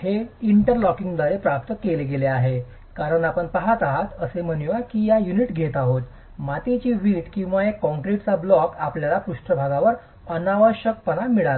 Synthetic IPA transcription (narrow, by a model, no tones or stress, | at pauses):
heiɳʈəɾlɔkiŋɡd̪aɾepɾap̚t̪əkeleɡeleaɦe | kaɾəɳapəɳpaɦat̪aɦat̪əseməniʋakiːjajuniʈɡʱet̪aɦot̪ | mat̪et͡ɕiːʋiːʈkĩw̃ʋaekːɔ̃ŋkɾiʈt͡sablɔkapljalapɾuʂʈʰəbʱaɡaʋəɾ | ənaʋəɕək̚pənamiɭal